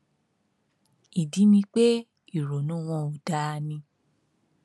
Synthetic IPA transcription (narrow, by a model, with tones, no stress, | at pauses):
i˨di˨˦mĩ˧k͡pe˦ | i˦˨ɾo˨nũ˦w̃ɔ̃˧o˨da˦˧nĩ˧